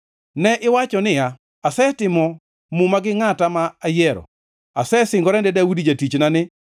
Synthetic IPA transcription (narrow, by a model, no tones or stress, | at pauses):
nɛʔɪwat͡ʃɔnɪja | asɛtɪmɔ | mumaɡɪŋatamaːjɛɾɔ̰ | asɛsɪŋɡɔɾɛndɛdawudid͡ʒatit͡ʃnanɪ